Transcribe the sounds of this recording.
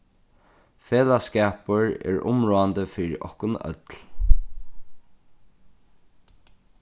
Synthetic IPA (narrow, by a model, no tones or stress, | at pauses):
feːlaskɛːpəɹɛ̰ːɹʊ̰mɹoːand̪əfɪɾʔɔ̰hkʊnœ̰t̪l